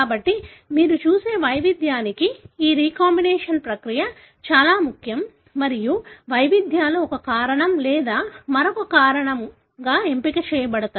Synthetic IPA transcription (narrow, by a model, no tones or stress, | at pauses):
kaːbɐʈːimiːɾut͡ʃuːseːʋɐjʋid̪ʱjaːnikiiːɾiːkaːmbineːʂɐnpɾɐkɾijɐ | t͡ʃaːlaːmukʰjɐmː | ɐɾijuʋɐjʋid̪ʱjaːloɔkɐkaːɾɐɳɐmlɛːd̪aːmɐɾokɐkaːɾɐɳɐm | ɡaːe̞mpikɐt͡ʃɛːjɐbɐɽɐt̪aː